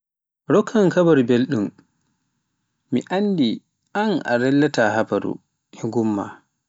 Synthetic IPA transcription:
ɾɔkʰːaŋkabaɾubelɗum | miʔandi | anʔa̰ɾɛlːataɦabaɾṵ | ɛŋɡumːa̰

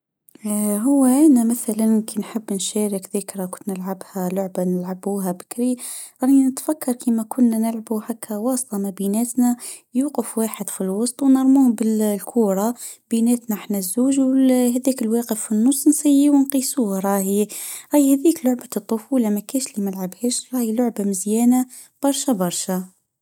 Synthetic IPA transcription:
ɦʊwːæʔænæmaθælankinħəbːnʃæːɾɪkðəkɾakʊnːnəlʕabhælʊʕbanəlʕabuːɦæbɪ̥kɾiɾˤɑːninət̪fakːɑɾˤkimækʰʊnːænɪlʕabuhakʰːæwɑːsˤt̪ˤɑmæbinæːt̪næ | juːqəfwaːħəd̪filwɑsˤt̪ˤwnɑɾˤmuːhbɪllkʰuːɾˤɑb̥inæːt̪næħnæzːuːʒwɦæðiːkɪlwæːqəfinːʊsˤːnsajːiwnqiːsuːhɾˤɑːhiɾɑjhæðiːklʊʕbat̪ˤːʊfuːlamækæːʃlimalʕabheːʃɾˤɑːhilʊʕbamɪzjæːna | b̥ɑɾˤʃabɑɾˤʃa

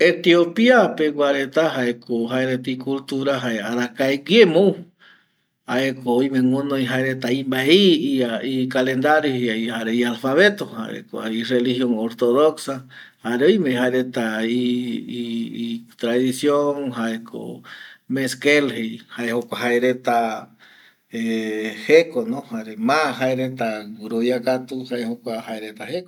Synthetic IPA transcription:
et̪jopiapekʷaɾet̪aɦaekoɦaeɾet̪ikult̪uɾaɦaeaɾakaeɡemow | haekoimẽŋũnõiɦaeɾet̪aimbaiiaikalend̪aɾjoheaihaɾeialfaβet̪oha̰ɾḛko̰a̰irelihjoŋoɾt̪oðoksa | haɾeojmeiɦaeɾet̪ai | t̪ɾaðisjoŋɦaekʰo̰meskelhejhaehokʷaɦaeɾet̪a | ehekonõhaɾemaɦaeɾet̪aɡuɾojakat̪uhaehokʷahaeɾet̪aheko

